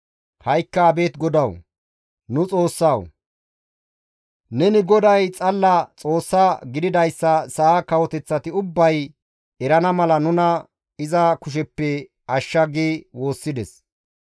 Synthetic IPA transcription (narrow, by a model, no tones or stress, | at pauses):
hɐjkːɐːbe̞ːt̪ɡɔd̪ɐw | nʊt͡sʼo̞ːsːɐw | nɛnɪɡɔd̪ɐjt͡sʼɐlːɐt͡sʼo̞ːsːɐɡɪd̪ɪd̪ɐjsːɐsɐʔakɐwɔt̪ɛt͡sːɐt̪ɪʊbːɐj | ɛɾɐnɐmɐlɐnʊnɐ | ɪzɐkʊʃ̬ɛpːɛ | ɐʃːɐɡeːwo̞ːsːɪd̪ɛs